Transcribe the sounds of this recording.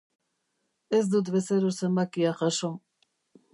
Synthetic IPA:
ezd̪ut̪βeseɾuse̞mbakiaxasoŋ

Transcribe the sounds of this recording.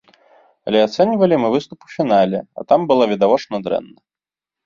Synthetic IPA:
ɐlʲɛat̪sɛnʲivɐlʲimɨvɨst̪upufʲinalʲɛɐ̰t̪ambɨlˠavʲid̪avɔt͡ʂnɐd̪ɾɛ̰nːɐ

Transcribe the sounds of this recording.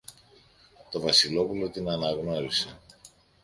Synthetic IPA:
t̪o̞vɐsilo̞pulo̞t̪inɐnɐɣno̞ɾise̞

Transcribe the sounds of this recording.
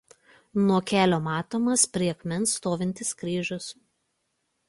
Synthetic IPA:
nuɔkʲæːlʲoːmɑːt̪oːmɐspʲɾʲiɛɐkmʲɛnst̪oːʋʲɪnʲt̪ʲɪskɾʲiːʒʊs

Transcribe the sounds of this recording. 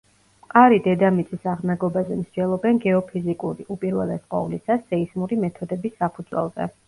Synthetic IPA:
qʼaɾid̪ɛd̪amit̪sʼisaʁnaɡɔbazɛmʃd͡ʒɛlˠɔbɛnɡɛɔpʰizikʼuɾiʔupʼiɾwɛlɛsqʼɔ̰vlisasːɛismuɾimɛt̪ʰɔd̪ɛbisːapʰud̪zwɛ̰lˠzɛ̰

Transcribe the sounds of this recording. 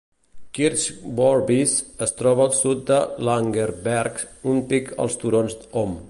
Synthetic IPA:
kiɾt͡ʃboɾbisəst̪ɾɔβəːlˠsut̪̚d̪əlaŋɡeɾbɛɾksunpikʰə̰lˠst̪uɾonzd̪ɔm

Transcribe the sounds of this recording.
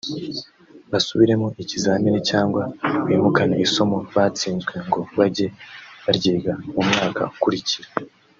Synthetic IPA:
βasuβiɾe̞mo̞ʔicizaːmiɾecaːŋɡwaβimukaneiso̞mo̞βat͡siːnzɡwe̞ŋɡo̞βaɟe̞βaɾɟeːɡamumŋaːka̰ukuɾiciɾḁ

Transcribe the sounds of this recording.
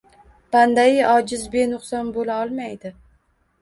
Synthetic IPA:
b̥and̪ajɪʔɒd͡ʒɪzbe̞nʊχsɒnbolaɒlˠmajd̪ɪ

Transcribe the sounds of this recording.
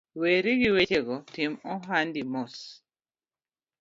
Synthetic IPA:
weɾiɡiwet͡ʃeɡɔtimɔɦandimɔs

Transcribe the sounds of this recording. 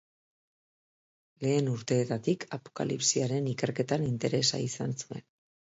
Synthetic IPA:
le̞ːnuɾt̪e̞ːt̪at̪ikapo̞̥ka̰lipsiaɾe̞nike̞ɾke̞t̪anint̪e̞ɾe̞sa̰isansue̞̰n

